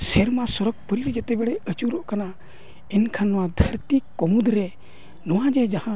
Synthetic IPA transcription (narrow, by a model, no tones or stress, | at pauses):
sɛɾmasɔɾəɡ̚pəɾiɾd͡ʒɛt̪ɛbɛɽɛət͡ʃuɾɔʔkana | ɛnkʰanːɔwad̪ʱəɾt̪ikːɔmud̪ɾɛ | nɔwãd͡ʒɛd͡ʒahã